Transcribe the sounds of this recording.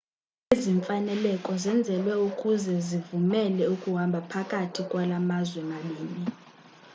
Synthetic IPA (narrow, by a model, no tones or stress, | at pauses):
eziɱfanɛlɛkʼɔzɛnd͡zʱɛlwɛukʼuzɛzivumɛlɛukʼuɦambʱapʰakʼatʰikʼwalamazwɛnaɓiːmi